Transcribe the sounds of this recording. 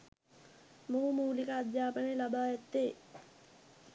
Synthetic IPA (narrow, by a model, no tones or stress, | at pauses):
muːmuːlikəad̪jaːpənelabaːjæt̪ːeː